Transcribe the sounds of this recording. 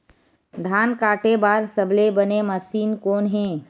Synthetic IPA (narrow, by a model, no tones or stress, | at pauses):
d̪ʱaːnkaːʈebaːɾsɐblebənemɐsiːnkoːnɦɛ̃ː